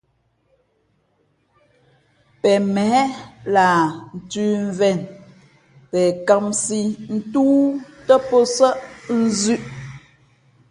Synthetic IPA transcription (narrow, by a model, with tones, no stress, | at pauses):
pɛ˨mɛ˨˦laː˨n̩˨tʉː˦ɱ˨vɛ˨n | pɛ˨ka˦˨msi˦n̩˦tuː˦tə˦po˦sə˦ʔn̩˦zʉ˦ʔ